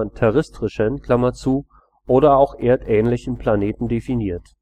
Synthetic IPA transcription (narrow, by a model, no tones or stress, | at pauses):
ntʰɛʁɪstʁ̥ɪʃənkl̥amɐt͡suː | ʔoːɾɐaʊxʔeːɐtʔɛːnlɪçn̩pl̥aneːtn̩definiːɐt